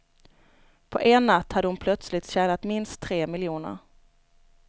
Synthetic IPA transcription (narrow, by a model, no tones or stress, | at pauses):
pʰɔʔeːnːat̪ːhad̪əhʊnpʰlœt̪slɪt̪ɕɛːnat̪mɪnst̪ʰːɾeːmɪljuːnə̰ɾ